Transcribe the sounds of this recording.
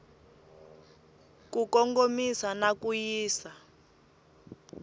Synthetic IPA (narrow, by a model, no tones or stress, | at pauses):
kukɔŋɡomisanakujiːsa